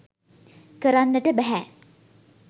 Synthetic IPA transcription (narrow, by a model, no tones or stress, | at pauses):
kəɾanːəʈəbɛɦæ